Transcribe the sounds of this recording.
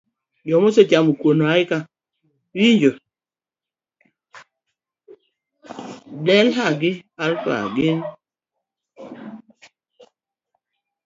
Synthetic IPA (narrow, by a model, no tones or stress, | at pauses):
d͡ʒɔmoset͡ʃamokwonoaɪka | wiɲd͡ʒo | dɛlɦaɡɪalka̰ɡɪn